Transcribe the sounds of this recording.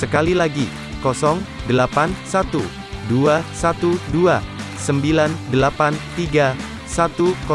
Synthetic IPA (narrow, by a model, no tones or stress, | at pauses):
səkalilaɡi | kɔsɔŋdəlapansat̪u | duasat̪udua | səmbilandəlapant̪iɡa | sat̪ukɔ